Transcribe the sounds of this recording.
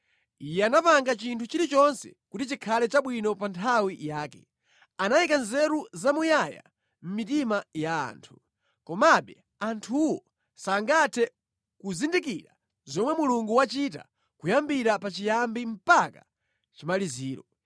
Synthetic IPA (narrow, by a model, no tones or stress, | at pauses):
ijɛanapaŋɡat͡ʃintʰut͡ʃiɾit͡ʃɔnsɛ̰kutit͡ʃikʰalɛt͡ʃaɓwinɔpantʰawijaːkɛ̰ | anajikanzɛɾuzamujaja̰ | m̩mitimaja̰ːntʰu̥ | kɔmaɓɛ | antʰuwɔ | saŋɡatʰɛ | kuzindikiɾa | zɔmwɛmuluŋɡuwat͡ʃita̰ | kujambiɾapat͡ʃijambim̩paka̰ | t͡ʃimaliziːɾɔ̰